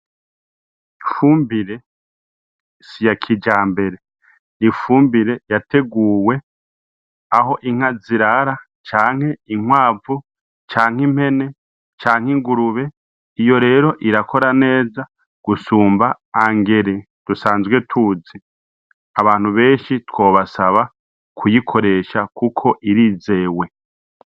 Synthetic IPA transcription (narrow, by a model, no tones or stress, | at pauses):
ifuːmbiɾe̞ | sijakʰid͡ʒaːmbe̞ɾe̞ | nifuːmbiɾe̞jate̞ɡuːwe̞ | aho̞ʔiŋ̥haziɾaɾa | t͡ʃaːŋ̥he̞iŋwaːvu | t͡ʃaːŋ̥im̥he̞ne̞ | t͡ʃaːŋ̥hiŋɡuɾuβe̞ | ijo̞ɾe̞ːɾo̞ʔiɾakʰo̞ɾane̞ːza | ɡ̥usuːmbaː | ŋɡe̞ɾe | d̥usaːnzwe̞tʰuːzi | aβaːn̥huβe̞ːnʃitwo̞ːβasaβa | kʰujikʰo̞ɾe̞ːʃakʰukʰo̞ʔiɾiːze̞ːwe̞